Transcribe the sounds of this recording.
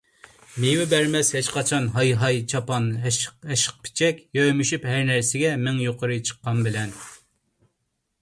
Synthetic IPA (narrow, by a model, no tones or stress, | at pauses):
mewɪbɛɾmɛshɪt͡ʃqɑt͡ʃʰɑnɦɑjɦɑjt͡ʃʰɑpɑnɛʃə̥q̚pʰɪ̥t͡ʃʰɛkʲjøjmyʃyphæɾnæɾsɪɡʲɛmɪŋjoqʰəɾɨt͡ʃʰə̥qːɑnbɪlɛn